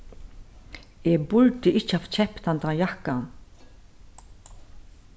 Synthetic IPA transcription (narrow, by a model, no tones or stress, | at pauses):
ɛːbʊlt̪ɪɪht͡ʃəaft͡ʃʰɛpt̪ant̪ajahkan